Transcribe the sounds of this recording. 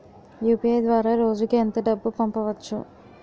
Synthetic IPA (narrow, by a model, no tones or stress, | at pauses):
juːpiejd̪ʋaːɾaːɾo̞ːd͡ʒukeɐnt̪ɐɖɐbːupɐmpɐʋɐt͡ʃːṵ